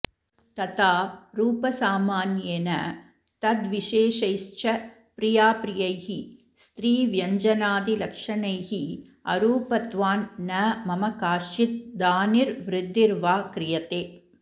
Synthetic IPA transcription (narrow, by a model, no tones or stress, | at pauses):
t̪ɐt̪aːɾuːpɐsaːmaːnjeːnɐ̰ | t̪ɐd̪ʋiʂeːʂɐjst͡ʃɐ | pɾɪjaːpɾɪjɐjhi | st̪ɾiːʋjɐɲd͡ʒɐnaːd̪ilɐkʂɐnɐjɦi | ɐ̰ɾuːpɐt̪ʋaːnːɐːmɐmɐkaːʂit̪̚d̪aːniɾʋɾɪd̪ːiɾʋaːkɾɪjɐt̪eː